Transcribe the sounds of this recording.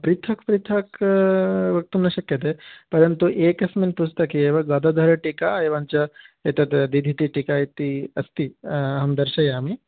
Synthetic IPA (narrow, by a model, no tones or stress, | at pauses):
pɾit̪ʰɐkpɾit̪ʰɐk | ʋɐk̚t̪unːɐʃɐkjɐt̪̬epɐɾɐnt̪uʔeːkɐsminput͡ʃʰt̪ɐkieːʋɐɡaːd̪ɐd̪ʱɐɾɐʈikaeʋaːnt͡ʃɐet̪ɐt̪d̪id̪ʱit̪iʈikait̪iɐst̪iɐɦɐmd̪ɐɾʃɐjaːmi